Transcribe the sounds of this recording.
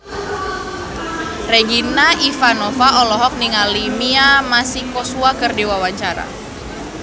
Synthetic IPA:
reɡinaʔifanɔfaʔɔlɔɦɔk̚niŋalimiamasikɔsuakərdiwawaɲt͡ʃaɾa̰

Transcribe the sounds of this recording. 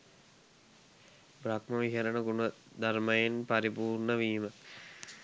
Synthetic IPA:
bɾakməʋiɦɐɾənəɡunə | d̪aɾmɐjenpɐɾipuːrnəʋiːmə

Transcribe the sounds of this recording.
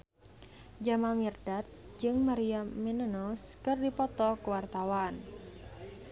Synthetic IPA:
d͡ʒamamird̥at̪̚d͡ʒɨŋmaɾiamenənɔskɨrdipɔt̪ɔkəwart̪awaːn

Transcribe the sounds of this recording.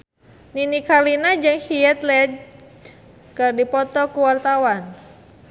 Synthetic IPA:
ninikalinad͡ʒɨŋhiɛt̪lɛd͡ʒ | kɨrdipɔt̪ɔkuwart̪awan

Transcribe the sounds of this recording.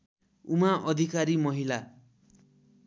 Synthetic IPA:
umaʔʌd̪ʱikaɾimʌɦila

